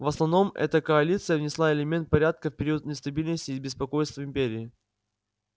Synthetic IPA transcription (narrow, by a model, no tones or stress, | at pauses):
vəsnɐvno̞mɛ̰t̪əkəɐlʲit̪sɨjəvnʲɪslˠaɪlʲɪmʲe̞nt̪̚pɐɾʲat̪̚kəfpʲɪɾʲiwət̪nɪst̪ɐbʲilʲnəsʲtʲɪːbʲɪspɐko̞jst̪vəɪmʲpʲeɾʲɪː